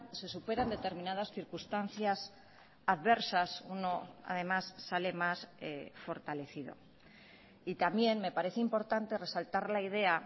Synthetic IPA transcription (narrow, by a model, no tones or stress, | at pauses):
se̞supe̞ɾand̪e̞t̪e̞ɾmĩnaðasθiɾkust̪an̟θjas | aðβe̞ɾsasuno̞a̰ð̞e̞masːale̞masefo̞ɾt̪ale̞θið̞o̞̰ | it̪amje̞nme̞paɾe̞θeimpo̞ɾt̪ant̪e̞re̞salt̪aɾlaiðe̞a